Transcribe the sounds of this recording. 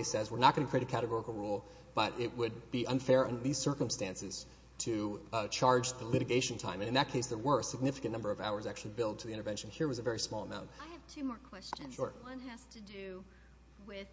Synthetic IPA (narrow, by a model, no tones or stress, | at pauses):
ɪsɛzwəɹnət̚ɡ̥ʌ̃nɨkʰɹ̥ieɪɨkʰæɾɨɡɔɹəkl̩ˠɹulˠ | b̥ʌɾɪʔ̚wɨd̚biʔʌ̃nfɛɹɪ̃nðiz̥sɜ˞kə̃m̩stæ̃nsɨz̥ | tʰɨt͡ʃʰɑɹd͡ʒðəlɪɾɨɡeɪʃn̩tʰã̰ɪ̃mɨ̃nɨ̃nðɨt̚kʰeɪsðə˞wə˞sɨɡ̚nɪfɨkɨ̃nʌ̃mbə˞ʌvaʊə˞zæk̚t͡ʃʉl̩ˠibɪlˠd̚tʰɨðiɪ̃ɾ̃ə˞vɛ̃nʃɨ̃nhiɹwʌzɨvɛɹismɔlˠəmãʊ̃nt̚aɪɨv̥tʰʉmɔɹkʰw̥ɛst͡ʃɨ̃nʃʊɹʌ̃næz̥tʰɨdɨ | wɪ